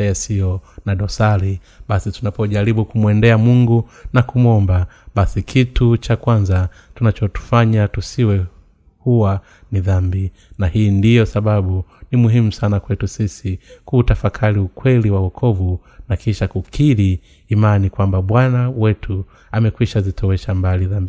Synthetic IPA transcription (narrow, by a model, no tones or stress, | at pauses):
asijɔnaɗɔsaɾi | ɓasitunapɔʄaɾiɓukumwɛndɛamuŋɡunakumwɔmbaɓasikʰitut͡ʃakwanza | tunat͡ʃɔtu̥faɲatusiwɛ | huwa | niðambi | nahiːndijɔsaɓaɓunimuɦimusanakwɛtusisikuːtafakʰaɾiukwɛliwawɔkʰɔvu | nakʰiʃakukʰiɾiː | manikwambaɓwanawɛtʰu | amɛkwiʃazitʰɔwɛʃambaliðambi